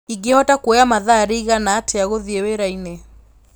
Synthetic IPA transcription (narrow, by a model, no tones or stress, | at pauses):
iŋɡehɔtakweamaðaɾiiɣanaːtʰeaɣoðieweɾaine